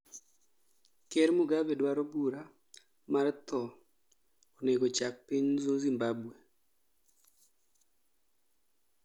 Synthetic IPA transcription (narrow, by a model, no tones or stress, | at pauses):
kɛɾmuɡabɛdwaɾobuɾa | mart̪ɔ | oneɡot͡ʃak̚piɲzozimbabwe